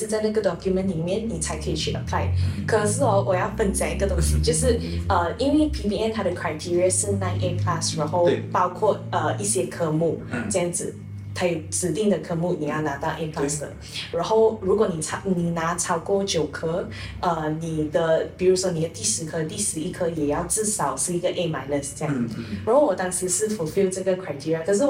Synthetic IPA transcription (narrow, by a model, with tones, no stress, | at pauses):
t͡sa˥˧ɪna˥˩ɡə˩d̪ɔ˨kʰju˧mə˥˨nli˨˩mjɛ˥˩nni˨˩t͡sʰa˧˥ɪkʰə˧˥i˨˩t͡ɕʰy˥˩ʔə˨˩pʰla˥˩ɪkʰə˨˩ʂɻ̩˥˩ɔ˧˥wɔ˨˩jɑ˥˩ʊfə˥˩nt͡ɕja˨˩i˧˥ɡə˨t̪ʊ˥ŋɕi˧˦t͡ɕjo˥˧ʊʂɻ̩˥˩ə˧i˥nwe˥˩ɪpʰi˧˥ŋpʰi˧ŋɛ˥˧nt̪ʰa˥d̪ə˨kʰwa˧˩ɪt̪ʰi˥ɹi˧a˧ʂɻ̩˥˩na˧˥ɪnʔɛ˥pʰla˥˧sɻa˧˦nxo˥˩ʊpɑ˥ʊkʰwɔ˥˩ə˧ʔi˥˩ɕjɛ˥kʰɤ˧˥mu˥˩t͡sə˥˧jɑ˥˩ŋd͡zɹ̩˨˩ | t̪ʰa˥jɛ˨˩t͡sɹ̩˨˩t̪i˥˩ŋd̪ə˨˩kʰɤ˧˥mu˥˩ni˨˩jɑ˥˩ʊna˧˥t̪ɑ˥˩ʊʔɛ˥˧pʰla˥˩sd̪ə̰˨˩ | ɻa˧˥nxo˥˩ʊɻu˧˥kwɔ˨˩˦ni˨˩t͡sʰɑ˥ni˨˩na˧˥t͡sʰɑ˥ʊkwɔ˥˩t͡ɕjo˨˩ʊkʰə˥ | ə˧ni˨˩d̪ə˧pi˨˩ɻu˧˥swɔ˥ni˨˩d̪ə˩˦t̪i˥˩ʂɻ̩˧˥kʰə˥˧t̪i˥˩ʂɻ̩˧˥i˥˩kʰə˥jɛ˨˩jɑ˥˧ʊt͡sɹ̩˥˩sɑ˨˩ʊʂɻ̩˥˩i˧˥ɡə˨ʔe˥˩ma˧˥ɪnə˨˩st͡ɕə˥˧jɑ˥˩ŋd͡zɻa˧nxo˥˩wɔ˨˩t̪ɑ˥ŋsɻ̩˧˥ʂɻ̩˥˩fu˨˩fi˥˧ʊt͡sə˥˩ɡə˩kʰwa˨˩ɪt̪ʰi˥ɹi˧a˨˧kʰə˨˩ʂ̬ɻ̩˥˩